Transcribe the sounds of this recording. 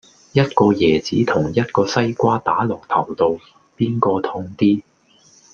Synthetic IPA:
jɐ˥t̚kɔː˧jɛː˨˩t͡siː˨˥t̪ʰʊ˨˩ŋjɐ˥t̚kɔː˧sɐ˥jkʷaː˥t̪aː˨˥lʊ˨k̚t̪ʰɐ˨˩wt̪o˨˧w | piː˥nkɔː˧t̪ʰʊ˧ŋt̪iː˥

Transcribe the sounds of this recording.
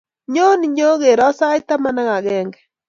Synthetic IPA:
ɲo˦ni˨ɲo˦ɣe˨ɾɔ˦sa˦i˦ta˦ma˦na˦ɣa˨ɣɛː˦ŋɡɛ˨

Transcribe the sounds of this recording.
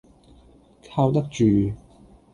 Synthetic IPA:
kʰaː˧wt̪ɐ˥k̚t͡ʃyː˨

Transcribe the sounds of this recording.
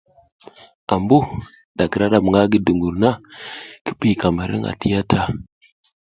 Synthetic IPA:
a˨mbu˦ | ɗa˨kə˨ɾa˦ɗa˨m˨ŋa˦ɡi˨du˨ŋɡu˨ɾna˦ki̥˦ɓi˦˨ka˨ma˨ɾḭ˦ŋa̰˨ti˦ja˦ta˦

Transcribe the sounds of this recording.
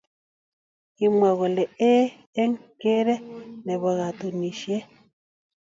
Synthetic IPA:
i˨mwa˨ɣɔ˨lɛ˨e˦ | e˦ŋke˦ɾɛ˦nɛ˨βa˨ɣa˨t̪u˨ni˨ʃje˦

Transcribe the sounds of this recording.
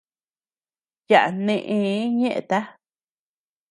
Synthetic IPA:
ja˨ʔa˨nẽ˦˧ʔẽ˧˦ɲẽ˦ʔḛ̃˧˨t̪a˦

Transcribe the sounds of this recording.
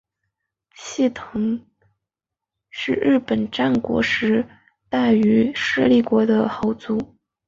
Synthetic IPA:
t͡ɕʰi˥˩t̪ʰɤ˧˥ŋ | ʂɻ̩˥˧ɻɻ̩˥˩pə˨˩nʈ͡ʂa˥˩nkwɔ̰˧˥ʂɻ̩˧˥ | t̪a˥˩ɪy˧˥ʂɻ̩˥˧li˥˩kwɔ˧˥d̪ə˧xɑ˧˥ʊt͡su˧˥

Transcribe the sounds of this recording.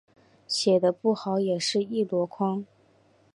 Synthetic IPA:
ɕjɛ˨˩d̪ə˦pu˥˩xɑ˧˥ʊjɛ˨˩ʂɻ̩˥˧i˥˩lwɔ˧˥kʰwɑ˥ŋ

